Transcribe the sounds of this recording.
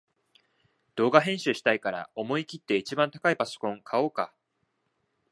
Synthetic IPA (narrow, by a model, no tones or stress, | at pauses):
d̪̥o̞ːɡaɦẽ̞ɰ̃ɕɨɕi̥t̪aikaɾa̰o̞mo̞ikʲit̪ːe̞it͡ɕibãnt̪akaipaso̥kõ̞ŋkʰao̞ːka̰